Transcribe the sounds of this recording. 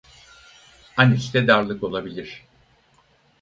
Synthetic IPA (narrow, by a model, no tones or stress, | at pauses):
aniʃt̪ɛd̪aɾlˠɯko̞lˠabilʲiɾ̝̥